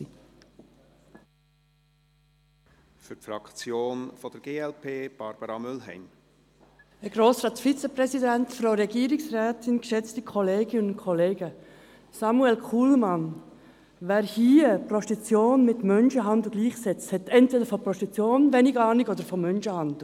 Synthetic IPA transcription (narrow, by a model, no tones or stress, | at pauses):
i | fʏɾtfɾɑ̰kt͡sjoːnfɔd̥əɾɡ̥eːɛlpʰeːb̥ɑɾb̥əɾɑmʏlɦɛ̰ɪm | əɡ̥ɾoːsɾɑːt̪fit͡səpɾɛsidæntfɾoʊɾɛɡiːɾɪksræːtɪnkʃɛt͡stikʰɔleːɡɪnʊnkʰɔleːɡə | sɑmuɛlkʰuːlmɑn | ʋæːɾhiːəprɔʃtit͡sjoːnmɪt̪mœnʃəɦɑnd̪l̩ɡliːχsɛt͡sthɛt̪ɛntʋɛdəɾfɔprɔʃtit͡sjoːnʋɛniɡɑːniɡɔd̪əɾfɔmœnʃəhɑnd